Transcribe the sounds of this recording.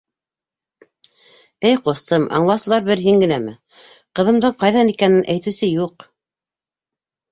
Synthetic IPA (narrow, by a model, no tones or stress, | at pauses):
ɘjqŏst̪ɤmʔɑ̰ɴlˠɑsɤ̆lˠɑɾbɘɾɦiŋɡɘ̆næmɘ | qɤ̆ðɤ̆md̪ɤɴqɑjðɑnikænɘnʔæjt̪ɘ̆wsɘjuq